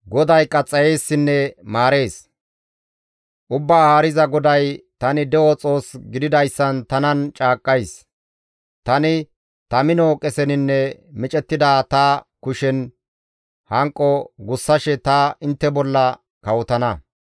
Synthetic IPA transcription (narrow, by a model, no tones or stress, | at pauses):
ɡɔd̪ɐjkʼɐt͡sʼːɐje̞ːsːɪnːɛmaːɾe̞ːs | ʔʊbːaːhaːɾɪzɐɡɔd̪ɐjt̪ɐnɪd̪ɛwɔt͡sʼo̞ːsɡɪd̪ɪd̪ɐjsːɐnt̪ɐnɐnt͡ʃʼaːkʼːɐjs | t̪ɐnɪ | t̪ɐmɪnokʼɛsɛnɪnːɛmɪt͡ʃʼɛt̪ːɪd̪aːt̪ɐkʊʃɛn | hɐŋkʼːɔɡʊsːɐʃɛt̪ɐɪnt̪ːɛbɔlːɐ | kɐwɔt̪ɐnɐ